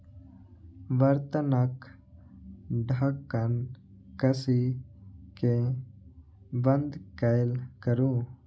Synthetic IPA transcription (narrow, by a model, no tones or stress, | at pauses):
ʋəɾt̪ənak | ɖʱəkːən | kəsi | ke | bənd̪kajlkəɾũː